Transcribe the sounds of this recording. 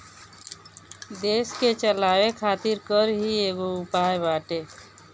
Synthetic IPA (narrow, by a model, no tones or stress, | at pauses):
d̪esket͡ʃəlawekʰat̪iɾkəɾɦieɡoupajbaʈe